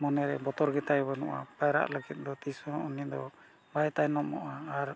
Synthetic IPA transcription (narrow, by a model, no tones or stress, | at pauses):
mɔnɛɾɛbɔt̪ɔɾɡɛt̪ajbɔnṵʔa̰pajɾa̰ʔləɡit̪̚ˀd̪ɔt̪isɔ̃unid̪ɔ | bajt̪ajnɔmːɔ̰ʔaːɾ